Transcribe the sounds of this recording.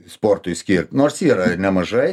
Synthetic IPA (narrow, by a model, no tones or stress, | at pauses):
spoːrt̪ʊjsʲkʲiːrʲtʲnoːrsʲiːɾɐnʲɛmɐʒɐɪ